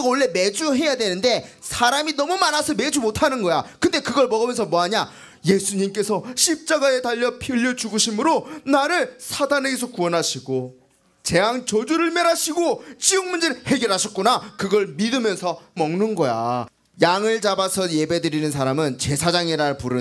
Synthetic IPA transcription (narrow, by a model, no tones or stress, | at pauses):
oɭːe̞med͡ʑuɦe̞jadwe̞nɯnde̞sʰaɾaminʌmumanasʰʌmed͡ʑumotʰanɯnɡʌjakɯnde̞kɯɡʌɭmʌɡɯmjʌnsʰʌmwʌɦaɲa | je̞sʰuɲimk͈e̞sʰʌɕʰip̚t͡ɕ͈aɡae̞taʎːʌpʰjiʎːʌd͡ʑuɡɯɕʰimɯɾonaɾɯɭsʰadane̞ɡesʰokuʌnɦaɕʰiɡo | t͡ɕe̞aŋt͡ɕʌd͡ʑuɾɯɭmeɾaɕʰiɡot͡ɕiɯŋmund͡ʑeɾɯɭhe̞ɡjʌɾɦaɕʰʌt̚k͈unakɯɡʌɭmidɯmjʌnsʰʌmʌŋnɯnɡʌja̰ | jaŋɯɭt͡ɕabasʰʌje̞be̞dɯɾinɯnsʰaɾamɯnt͡ɕe̞sʰad͡ʑaŋiɾaɭpuɾɯ